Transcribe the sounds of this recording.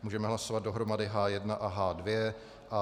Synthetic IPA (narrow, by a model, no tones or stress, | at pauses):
muːʒɛmɛɦlaso̞vad̪̚do̞ɦɾo̞madɪɦaːjɛdnaʔaɦaːdvjɛ | ʔa